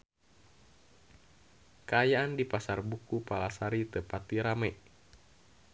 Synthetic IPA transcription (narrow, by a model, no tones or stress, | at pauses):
kaajaandipasarbukupalasaɾit̪əpat̪iɾamɛʔ